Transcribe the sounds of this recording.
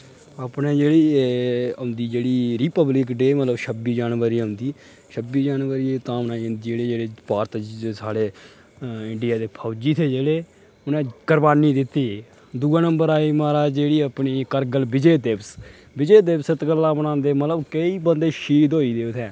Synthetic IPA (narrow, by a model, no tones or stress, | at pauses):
əːpnẽːd͡ʒeːɽiː | ʊ̃nd̪iːd͡ʒeːɽiːɾiːpəblɪkɖeːmət̪ləbʃʰəbiːd͡ʒaːnʋəɾiːɦʊ̃nd̪iː | ʃʰəbiːd͡ʒaːnʋəɾieːt̪ãːbənaːiːɦnd̪iːd͡ʒeːɽeːd͡ʒeːɽeːpaːɾt̪d͡ʒsaːɽeː | ɪɳɖɪjaːd̪eːpʰəːd͡ʒiːt̪ʰeːd͡ʒeːɽeː | ʊnẽːkəɾbaːniːd̪ɪt̪ːiː | d̪uːãːnəmbəɾaːiːmaːɾaːd͡ʒeːɽiːəpniːkəɾɡəlbɪd͡ʒeːd̪eps | bɪd͡ʒeːd̪epsət̪kəlːãːbənãːnd̪eːmət̪ləbkəiːbənd̪eːʃiːd̪oːiːd̪eːt̪ʰɛ̃ː